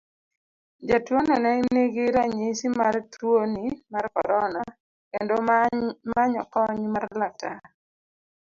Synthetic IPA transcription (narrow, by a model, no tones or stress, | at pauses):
d͡ʒatwonanɛneɡɪɾaɲɪsimartwonimarkɔ̰ɾɔna | kḛndomaɲɔ̰kɔɲmarlak̚ta